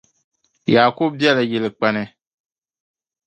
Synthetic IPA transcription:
jaː˨ko˦b̚bjɛ˦la˨jɛ˨lɨ˨k͡pa˦nɨ˦

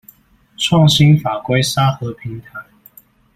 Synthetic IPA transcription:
ʈ͡ʂʰwɑ˥˨ŋɕi˦nfa˨˩kwe˥˦ɪsa˦xɤ˨˧˦pʰi˧˦ŋt̪ʰa˨˦ɪ

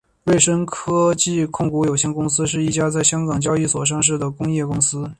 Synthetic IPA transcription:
we˥˩ɪʂə˥ŋkʰɤ˥t͡ɕi˥˧kʰʊ˥˩ŋku˧˥jo˨˩ʊɕjɛ˥˧nkʊ˥ŋsɹ̩˥ʂɻ̩˥˧i˥˩t͡ɕja˥t͡sa˥˩ɪɕjɑ˥ŋkɑ˨˩ŋt͡ɕjɑ˥ʊi˥˩swɔ˨˩ʂ̬ɑ˥˧ŋʂ̬ɻ̩˥˩d̪ə˩kʊ˥ŋjɛ˥˩kʊ˥ŋsɹ̩˥

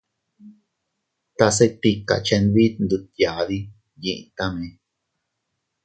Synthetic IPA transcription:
t̪a˧s̬e˦t̪i˧ka̰˨t͡ʃe˧nβi˦t̪nd̪u˧t̪ja˨ði˦ | jĩ˧ʔḭ̃˧t̪a˦mẽ˧˦

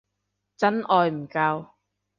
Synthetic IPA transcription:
t͡sɐ˥nʔɔː˨˧jm̩˨˩kaː˧w

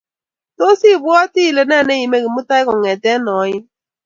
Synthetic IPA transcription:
to˦si˦˨bʊ˦ɔ˦ti˦˨le˨na˦˨ne˦ji˨me˦ɣi˨mu˦ta˦ɪ˦kɔ˨ŋɛ˨tɛ˦nɔ˨˦ɲɪ˦

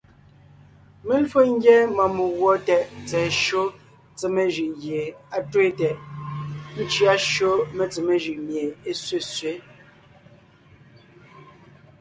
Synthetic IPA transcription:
me˦n̩˦fo˦ŋ̩˦ɡjɛ˦ma˨mu˨ɣwɔ˦tɛ˨ʔt͡sɛː˨ʃo˦ | t͡se˨me˨ʒi˨ʔɣje˨a˨twe˦tɛ˨ʔ | n̩˦t͡ʃi˦a˦ʃo˦me˨t͡se˨me˨ʒʉ˨ʔmje˨e˦sɥe˦sɥe˨˦

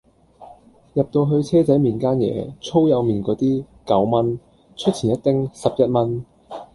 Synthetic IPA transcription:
jɐ˨p̚t̪o˧wɦɵ˧ɥt͡sʰɛː˥t͡sɐ˨˥jmiː˨˩nkaː˥njɛ̰ː˨˧t͡sʰo˥wjɐ˨˧wmiː˨˩nkɔː˨˥t̪iː˥ | kɐ˨˥wmɐ˥n | t͡ʃʰɵ˥t̚t͡sʰiː˨˩njɐ˥t̚t̪ɪ˥ŋsɐ˨p̚jɐ˥t̚mɐ˥n

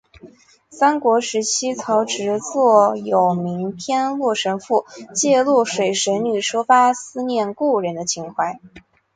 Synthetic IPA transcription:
sa˥nkwɔ˧˥ʂɻ̩˧˥t͡ɕʰi˥t͡sʰɑ˧˥ʊʈ͡ʂɻ̩˧˥t͡swɔ˥˩jo˨˩ʊmi˧˥ŋpʰjɛ˥nlwɔ˥˩ʂə˧˥nfu˥˩t͡ɕjɛ˥˧lu˥˩ʂwe˨˩ɪʂə˧˥nny˨˩ʂɔ˥fa˥sɹ̩˥˧njɛ˥˧nku˥˩ɻə˧˥nd̪ə˧t͡ɕʰi˧˥ŋxwa˧˥˩ɪ

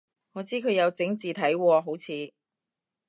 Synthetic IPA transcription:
ŋɔː˨˧t͡siː˥kʰɵ˨˧jɐ˨˧wt͡sɪ˨˥ŋt͡siː˨t̪ʰɐ˨˥jwɔː˧ɦo˨˥wt͡sʰiː˨˧

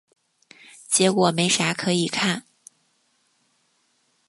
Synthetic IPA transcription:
t͡ɕjɛ˧˥kwɔ˨˩me˧˥ɪʂa˧˥kʰɤ˧˥i˨˩kʰa˥˩n

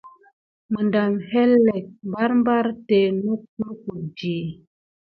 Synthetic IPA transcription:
mə˨nda˨mhɛ˦lɛ˨k̚m˨ba˦ɾm˦ba˦ɾte˨no˦k̚u˦lku˨d͡ʒiː˨

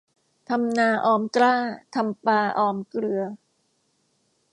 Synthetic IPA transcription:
t̪ʰa˧mnaː˧ʔɔː˧mklaː˥˩t̪ʰa˧mpaː˧ʔɔː˧˩mkɾɯ˧ɐ

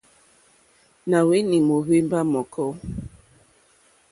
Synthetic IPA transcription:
na˨we˦ni˨mo˨βe˦m˦ba˦mɔ˨kʰɔ˦

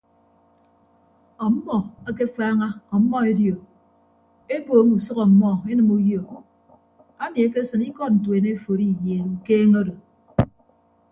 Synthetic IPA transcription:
ɔ˨m̩˦mɔ˨a˦k̬e˦faː˦ŋa˦ɔ˨m̩˦mɔ˦e˦djo˨ | e˦boː˨˦mu˨sɔ˦kɔ˨m̩˦mɔ˦e˦nɨ˨mu˦jo˨ | a˦mi˨e˦k̬e˦sɨ˨ni˦kɔ˦˨t̚n̩˨t̬we˨ne˦˨fo˨ɾi˦˨jeː˨ɾu˨keː˦ŋo˦do˨

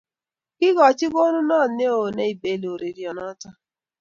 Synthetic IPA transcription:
kɪ˦ɡɔ˨t͡ʃɪ˦ɡo˦nu˦nɔː˦˨ne˦o˨ne˨i˨be˨lo˨ɾe˨ɾi˨ɔ˨nɔ˦tɔ˦

